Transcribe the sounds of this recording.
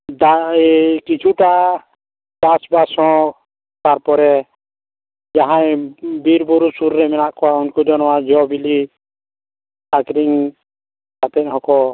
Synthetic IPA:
d̪akit͡ʃʰuʈa | d̪̥asbasɔ̃ | t̪aɾpɔɾɛ | d͡ʒaɦãjbiɾbɔɾusuɾɾɛmɛnaʔkɔaunkud͡ʒɔnɔwad͡ʒɔbili | akɾiŋ | kat̪ɛnɦɔkɔ

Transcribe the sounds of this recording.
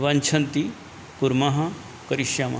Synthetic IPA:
ʋɐnt͡ʃʰɐnt̪i | kuɾmɐɦɐ | kɐɾiʃjaːmɐ̰

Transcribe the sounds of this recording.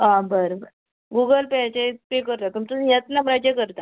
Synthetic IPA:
ɦãbəɾobəɾ | ɡuɡəlpeat͡ɕepekəɾt̪at̪umt͡səjət̪namɾad͡ʑəkəɾt̪a

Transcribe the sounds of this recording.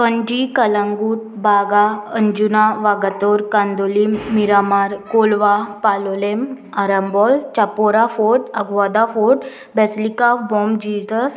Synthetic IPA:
pəɲd͡ʑikəlãŋɡuːʈ̚baɡaəɲd͡ʑunaʋaɡat̪ɔɾkãnd̪olimːiɾamaɾkolʋapalolem | aɾəmbɔlt͡ɕapoɾafoʈəɡʋad̪afoʈ | bɛslikafbɔmd͡ʑizəs

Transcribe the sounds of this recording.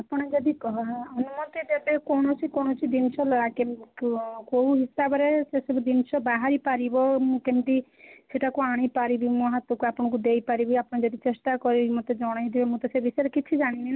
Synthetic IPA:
apɔɽ̃ed͡ʒɔd̪ikɔɦɔɦɔnumɔt̪id̪ebekɔɽ̃ɔt͡ʃʰikɔɽ̃ɔt͡ʃʰid̪int͡ʃʰɔlɔɽake | koɦuɦisabɔɾesesɔbɔd̪int͡ʃʰɔbaɦaɾipaɾibɔmũkemt̪i | seʈakuaɽ̃ipaɾibimɔɦɔt̪wɔkuapɔɽ̃ɔ̃kud̪ejpaɾibiapɔɽ̃ed͡ʒɔd̪it͡ʃesʈ̪akɔɾimɔt̪ed͡ʒɔɽ̃ajt̪ibemũt̪ɔsebisɔeɾekit͡ʃʰid͡ʒaɽ̃inina

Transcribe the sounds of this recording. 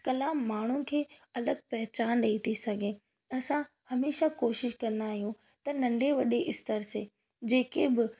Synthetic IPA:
kɐlaːmːaːɳ̤ukʰeːɐləɡ̚pɐɦɪt͡ɕaːnɗɐit̪ʰisɐɡʱẽː | ɐsã | hɐmeːʃakoːʃɪʃkɐ̃nd̪aːɦijũ | t̪ɐnɐ̃ɳɖʱeʋɐɗeʔɪst̪əɾseː | d͡ʑeːkebɪ

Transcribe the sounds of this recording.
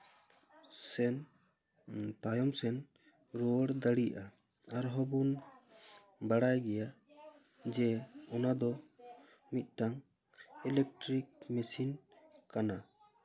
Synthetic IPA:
sɛn | t̪ajɔmsɛn | ɾɔwəɽd̪əɽija̰ʔaː | ɾɦɔbun | baɽajɡɛja | d͡ʒɛɔnad̪ɔ | mit̪̚ˀʈaŋ | ɛlɛk̚ʈɾik̚mɛsinkana

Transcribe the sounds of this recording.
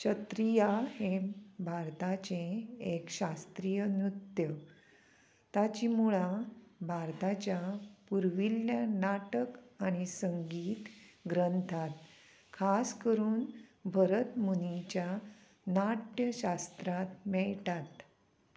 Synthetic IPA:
t͡ɕʰət̪ɾijahebʱaɾt̪at͡ɕeekɕast̪ɾijənɾut̪jə | t̪at͡ɕimuɭabʱaɾt̪at͡ɕjapuɾʋiljanaʈəkañisəŋɡiːt̪ɡɾənt̪ʰat̪ | kʰaskəɾuːnbʱəɾət̪munit͡ɕja | naʈjəɕast̪ɾat̪mɛɭtat̪

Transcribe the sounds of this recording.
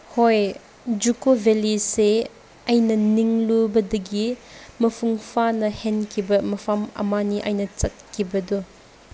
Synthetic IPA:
hɔj | d͡ʒukovʱelise | ɐjnɐniŋlubɐdɐɡimɐpʰuŋpʰanɐhɛnkʰibɐmɐfʰamɐ̰maniʔɐjnɐt͡ʃɐt̚kibɐdɔ

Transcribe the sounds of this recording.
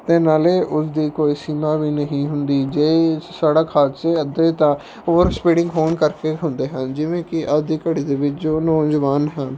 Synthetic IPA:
t̪eːnaːleːʔʊsd̪iːkoːiːsiːmaːʋiːnəɦĩːɦʊnd̪iːd͡ʒeːsaːɽaːkʰaːt̪seːəd̪eːt̪ãː | oːɾspiːɖɪ̃ŋɡɦoːnkəɾkeːɦʊnd̪eːɦə̃nd͡ʒɪʋẽːkɪʔəd̪iːkəɽiːd̪eːʋɪt͡ʃd͡ʒoːnɔ̃ːd͡ʒʋaːnɦən

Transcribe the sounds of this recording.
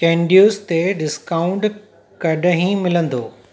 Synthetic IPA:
kẽːɳɖijuːst̪eɖɪskaːʊ̃ɳʈ | kɐɗʱɦĩmɪlə̃nd̪oː

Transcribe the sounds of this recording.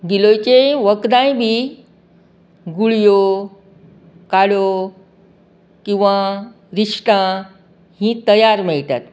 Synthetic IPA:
ɡilojt͡ɕeʋəkd̪ãjbʱiː | ɡuɭjo | kaɽo | kĩw̃ʋa | ɾiʂʈã | hĩt̪əjaɾmɛɭt̪at̪

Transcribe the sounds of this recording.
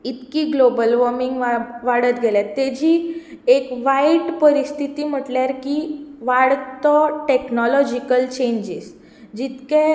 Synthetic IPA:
it̪kiːɡlobəlʋəɾmiŋɡʋaʋaɽət̪ɡʱeljat̪ːed͡ʑiː | ekʋaiʈpəɾist̪ʰit̪iːm̤əʈljaɾkiʋaɽt̪ɔʈeknɔlɔd͡ʑikəlt͡ɕeɲd͡ʑis | d͡ʑit̪ke

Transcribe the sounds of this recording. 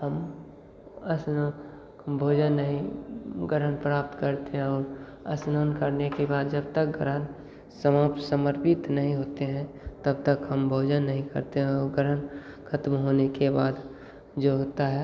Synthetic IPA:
həm | əsno | bʱoːd͡ʒənːəɦĩɡəɾɦənpɾaːp̚t̪kəɾt̪eɦɛ̃ɔːɾə̰snoːnkəɾnekebaːd̪d͡ʒəb̚t̪ək̚ɡəɾən | səmaːp̪səməɾpɪt̪nəɦĩɦoːt̪eɦɛ̃ | t̪əbt̪əkɦəmbʱoːd͡ʒənːəɦĩkə̰ɾt̪eɦɛ̃ɔːɾɡəɾənkʰət̪mɦoːnekebaːd̪ | d͡ʒoɦoːt̪aɦɛ

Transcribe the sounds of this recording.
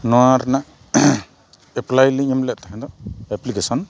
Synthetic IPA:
nɔwaɾnaʔ | ɛplajliŋɔmlɛʔt̪ʰakad̪ɔɛplikesɔn

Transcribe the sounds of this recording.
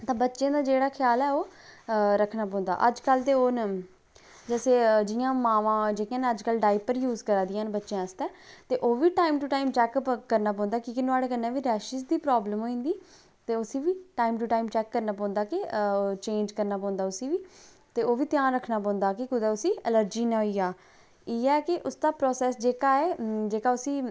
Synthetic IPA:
t̪ãːbətːʃẽːd̪aːd͡ʒeːɽaːkʰɪjaːlɛːoː | ɾəkʰnaːpɔ̃ːnd̪a̰ːʔəd͡ʒkəlt̪eːoːn | d͡ʒɛːseːd͡ʒɪjãːmãːʋãːd͡ʒeːkːãːnəd͡ʒkəlɖaːɪpəɾjuːzkəɾãːd̪ijãːnbətːʃjãːəst̪ɛːt̪eːʔoːʋiːʈaːimʈuʈaːimt͡ʃɛːkːəɾnaːp̬ɔ̃ːnd̪aːkiːkɪnʊaːɽeːkənːɛːʋiːɾɛːʃizd̪iːpɾaːbləmɦoːĩːnd̪iː | t̪eːʊsĩːʋiːʈaːimʈuʈaːimt͡ʃɛːkːəɾnaːpɔ̃ːnd̪aːkɪt͡ʃẽːnd͡ʒkəɾnaːpɔ̃ːʊ̃nd̪aːʊsĩːʋiː | t̪eːoːʋiːt̪jãːɾəkʰnaːpɔ̃ːnd̪aːkɪkʊd̪aːʊsĩːələɾd͡ʒiːnãːɦoiaː | eːɛːkɪʔʊsd̪aːpɾoːsɛːsd͡ʒeːkaːɛːd͡ʒeːkaːʊsĩː

